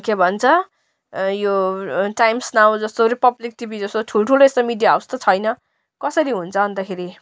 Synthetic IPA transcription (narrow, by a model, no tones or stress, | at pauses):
kebʱʌnt͡sʰʌ | joʈajmsnaw̃d͡zʌst̪oɾipʌblik̚ʈibid͡zʌst̪oʈʰulʈʰuloest̪omiɖijawst̪ʌt͡sʰʌjnʌ | kʌsʌɾiɦunt͡sʰʌbʌnd̪akʰeɾi